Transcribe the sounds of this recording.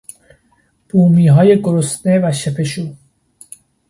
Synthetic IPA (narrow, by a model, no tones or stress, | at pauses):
b̥uːmiːɦɒːjeɡoɾosnevæʃepʰeʃuː